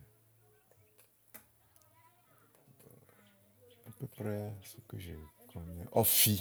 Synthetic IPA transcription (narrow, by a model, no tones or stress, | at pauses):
apøprɛsəkəʒəkʰɔnɛʔɔfi